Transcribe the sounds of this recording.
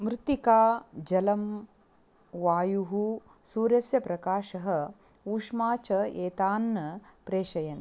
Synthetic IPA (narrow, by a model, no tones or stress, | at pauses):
mɾɪt̪ikaːd͡ʒɐlɐm | ʋaːjuɦu | suːɾɐsjɐpɾɐkaːʃɐɦɐ̆ | uːʂmaːt͡ʃɐeːt̪aːnːɐpɾeːʃɐjɐn